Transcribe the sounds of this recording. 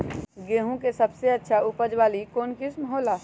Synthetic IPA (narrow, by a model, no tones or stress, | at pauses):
ɡeːɦõkesɐbseɐtːʃʰaʊpəd͡ʒʋaːlikoːnkɪsməɦoːlaː